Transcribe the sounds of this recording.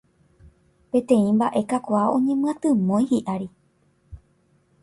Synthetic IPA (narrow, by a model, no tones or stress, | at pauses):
pẽ̞t̪ẽ̞ĩmbaʔe̞kakʷaõ̞̰ɲẽ̞mɨ̃ãt̪ɨmõ̞j̃hiʔaɾi